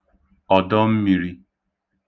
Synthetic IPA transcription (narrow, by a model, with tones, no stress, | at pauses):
ɔ˨dɔ˦m̩˦mi˨ɾi˦